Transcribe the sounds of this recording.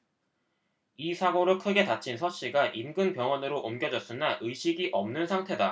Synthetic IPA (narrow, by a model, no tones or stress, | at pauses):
isʰaɡoɾɯɭkʰɯɡe̞tat͡ɕʰinsʰʌɕ͈iɡaʔimɡɯnpjʌŋwʌnɯɾoʔomɡjʌd͡ʑʌs͈ɯnaʔɯɕʰiɡiʔʌmnɯnsʰaŋtʰe̞da